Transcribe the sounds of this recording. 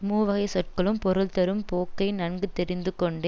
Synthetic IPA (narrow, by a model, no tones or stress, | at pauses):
muːʋɐɣɐɪsɔʈ̚kɐɭɯmpɔɾɯlt̪ɐɾɯmpoːkːɐɪnɐɳɡɯt̪ːɛɾɪnd̪ɯkːɔɳɖe